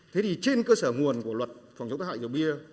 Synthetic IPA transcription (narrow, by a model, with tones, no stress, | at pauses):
t̪ʰe˨˦t̪i˨˩t͡ɕe˧nkəː˧səː˧˩ŋu˨˩ənku˧˩əlwə˨˩t̚fa˨˩wŋ͡mt͡ɕə˦ŋ͡mt̪a˦˧˦a̰˧˨zə˨˩wɓi˧ə